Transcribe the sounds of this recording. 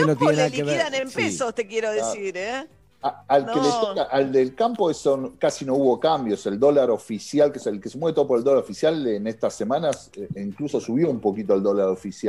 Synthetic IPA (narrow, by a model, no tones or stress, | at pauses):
enot̪jenenaðakeβeðanempesost̪ekjeɾoðesiɾe | aalkeletokaʔald̪elkampo̞esonkasino̞uβo̞kambjo̞seld̪o̞laɾofisjalkeselkesemwet̪o̞opoɾeld̪oaɾofisjalenest̪asemãnaseiŋkluso̞suβjoumpo̞kit̪oald̪o̞laɾo̞fisjal